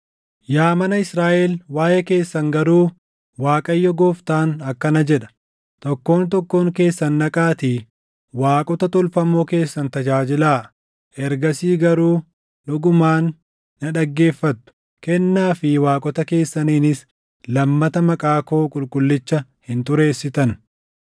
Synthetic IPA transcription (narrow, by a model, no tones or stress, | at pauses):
jaːmɐnɐɪsɾaːʔɛlwaːjɛke̞ːsːɐŋɡɐɾuː | waːkʼɐjːɔɡoːft̪aːnɐkːɐnɐd͡ʒɛᶑɐ̥ | t̪ɔkːo̞ːnt̪ɔkːo̞ːŋke̞ːsːɐnːɐkʼaːt̪iː | waːkʼɔt̪ɐt̪ɔlfɐmoːke̞ːsːɐnt̪ɐd͡ʒaːd͡ʒɪlaː | ʔɛɾɡɐsiːɡɐɾuː | ᶑʊɡʊmaːnː | ɐᶑɐɡːe̞ːfːɐt̪ːʊ̥ | kɛnːaːfɪwaːkʼɔt̪ɐke̞ːsːɐniːnɪs | lɐmːɐt̪ɐmɐkʼaːko̞ːkʼʊlkʼʊlːɪt͡ʃːɐhɪnt̪ʊɾeːsːɪt̪ɐn